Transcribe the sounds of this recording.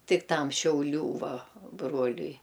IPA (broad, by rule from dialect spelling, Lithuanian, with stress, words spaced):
ˈtʲɪk ˈtɐm ʃʲɛʊˈlʲuː ˈʋɐ ˈbruɔlʲʊɪ